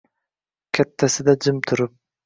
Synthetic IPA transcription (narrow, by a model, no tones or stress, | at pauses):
kʲʰɛt̪ʰːasɪd̪ad͡ʒɪmt̪ʰʊɾʊp̚